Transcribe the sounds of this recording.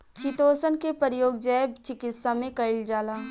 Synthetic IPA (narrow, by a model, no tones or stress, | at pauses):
t͡ʃit̪oːsənkepəɾjoːɡ̚d͡ʒɛːbt͡ʃɪkɪt̪samẽkɐɪld͡ʒaːlaː